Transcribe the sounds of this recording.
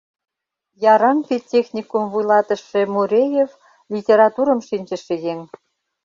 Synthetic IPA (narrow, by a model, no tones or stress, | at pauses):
jɑɾɑnpʲetʲːexnʲikumvujlɑt̪ə̆ʃĕmuɾʲejev | lʲitʲeɾɑt̪uɾə̆mʃinʲt͡ɕə̆ʃĕjeŋ